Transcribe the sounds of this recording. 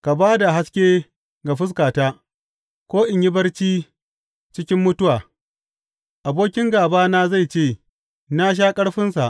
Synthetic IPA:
ka˨baː˦da˨ɦa˦skʲeː˦ | ɡa˨ɸɪ˦s̬kaː˨taː˦ | kʷoː˦ʔɪ˨ɲjɪ˦bɐ˦rt͡ʃiː˦ | t͡ʃɪ˦kʲɪ˦mːʊ˦tʊ˦waː˨ | ʔa˨boː˦kʲɪ˦ŋɡaː˨baː˦na˦za˦˨jt͡ʃeː˦˨ | na˦ʃ̬aː˦kʼɐ˦ɽɸɪ˦nsa˨ʔ

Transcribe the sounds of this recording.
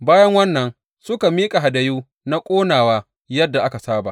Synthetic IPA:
baː˦jɐ˦ŋwɐ˦nːɐ˨n | sʊ˦ka˨miː˦kʼa˨ɦa˨da˨juː˦ | na˦kʷʼoː˦naː˨waː˦ | jɐ˦dːa˨ʔa˦ka˨saː˦ba̰˨ʔ

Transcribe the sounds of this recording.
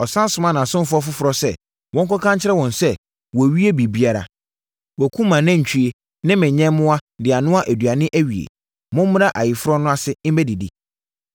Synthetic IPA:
ɔ˨sã˦n˦sʊ˨mã˦nã˨sʊ̃˦m˦fʊ˦ɔ˦fʊ˦fʊ˨ɾɔ˦sɛ˦ | wʔɔ̃˦ŋ̩˦kɔ˦kʰã˦ɲt͡ɕʰɪ˦ɾɛ˦wɔ̃˨nsɛ˦ | wɔ˨ɥi˦e˦bi˨bi˦a˦ɾa̰˨ | wɔ˨kʰũ˦mã˨nã˦˨ɲ̩˨t͡ɕʰᶣi˦e˦ | nɪ̃˦mɪ̃˨ɲɛ̃˦mʊ̃˦a˦dɪ˨a˨nʊ̃˦a˦ʔæ˨dɥa˨nɪ̃˦ʔæ˦ɥi˨ḛ˨ | mʊ̃˦m˦mʊ̃˦ɾa˦ʔa˨jɪ˨fʊ˦ɾɔ˦nʊ̃˦a˦sɪ˦m̩˦ɛ˦di˨dḭ˨

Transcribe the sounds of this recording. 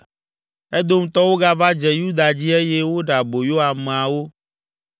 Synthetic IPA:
ɛ˦d̪o˦m̩̃˦t̪ɔ˦wo˦ɡa˦va˦d͡ʒɛ˨ju˦d̪a˨d͡ʑi˦e˦jɛ˦wo˦ɖa˨bo˨jo˦ɦa˨me˨a˨wo˦

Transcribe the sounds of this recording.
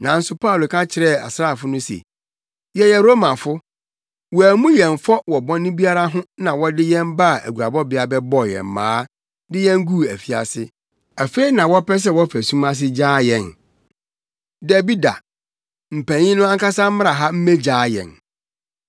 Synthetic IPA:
nã˨n̩˦sʊ˦pʰa˦˨lo˨kʰã˦t͡ɕʰɪ˨ɾɛ˦˨a̰˨sɾa˦˨fʊ˦nʊ̃˦sḛ˨ | jɛ˨jɛ˨ɾo˦mã˨fʊ˦ | wɔ˨æ˨mũ˦jɛ̃˨ɱ˨fɔ˦wɔ˨bɔ̃˦nːɪ̃˦bi˦a˦ɾa˦ɦʊ̃˦nã˨wɔ˦dɪ˦jɛ̃˦mba˦˨ʔæ̰˨ɡu˨ɾa˨bɔ˦bɪ˨˦a˨bɛ˦bɔ˦jɛ̰̃˨m˨mã̰ː˨˦ | dɪ˦jɛ̃˦ŋ˦ɡu˦˨æ˨fi˨˦a̰˨sɪ˦ | æ˨fe˦i˦nã˨wɔ˦pɛ˦s̬ɛ˦wɔ˦fæ˨sũ˦mã˦s̬ɪ˦d͡ʑaː˦jɛ̃˨n | dæ˨bi˦da̰˨ | m̩˨pʰæ̃˨ɲɪ̃˦nʊ̃˦ã˦ŋka˦sa˦m̩˦m̃˦ɾa˨ɦa˦m̩˦mẽ˦d͡ʑaː˦jɛ̰̃˨n

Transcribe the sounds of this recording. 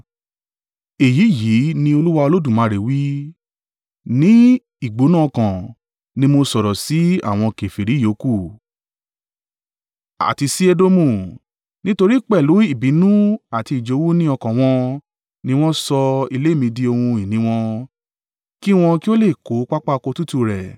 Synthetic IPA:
e˨ji˨˦˨ji˨˦nĩ˧o˧lu˦wa˧o˧lo˦dũ˦˨mã˨˧ɾe˨wi˦ | nĩ˦ | i˦˨ɡ͡bo˨˦nãː˦˨˧kã˨ | nĩ˧mo˧sɔ˨ɾɔ˨si˨˦a̰˦˨w̃ɔ̃˧ke˨fe˨ɾi˨˦jo˨˦ku˦˨ | a̰˨ti˧si˦e˧do˧mũ˦˨ | nĩ˦to˧ɾi˦k͡pɛ˦˨lu˨˦i˦˨bi˨˦nũ˦a˨ti˧i˨d͡ʒo˨˦wu˦nĩ˦ɔ˧kã˨w̃ɔ̃˧ | nĩ˧w̃ɔ̃˦sɔ˧i˧le˦˨mĩ˧di˧o˧hũ˧i˨nĩ˨˦w̃ɔ̃˧ | ki˦w̃ɔ̃˧ki˦o˦le˦˨ko˨˦k͡pa˦k͡pa˦˧ko˧tu˦tu˧ɾɛ˨

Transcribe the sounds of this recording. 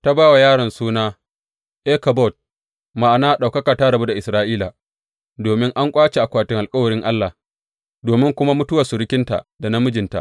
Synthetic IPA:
ta˦baː˦wa˨jaː˦ɽɐ˨nsuː˦naː˦ | ʔeː˦kɐ˨bɔ˦˨t̚ | ma˨ʔa˨naː˦ɗa˨wkɐ˦kaː˨ta˦ɽɐ˨bu˦da˨ʔɪ˨sɾaː˦ʔiː˦la˨ | doː˨mɪ˦ŋʔa˦ŋkʷʼaː˦t͡ʃe˨ʔa˨kʷaː˨tɪ˦ŋʔa˨kʼɐ˦wɐ˨ɽɪ˦ŋʔa˦lːa˨ | doː˨mɪ˦ŋkʷʊ˦ma˦mʊ˦tʊ˦wa˨sʊ˨ɽɪ˦kʲɪ˦nta̰˨ʔda˨na˦mʊ˦d͡ʒɪ˨nta̰˨ʔ

